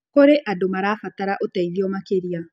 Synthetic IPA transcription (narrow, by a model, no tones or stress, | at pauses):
koɾeʔadomaɾaːfataɾaʔotaiðiɔmakeɾia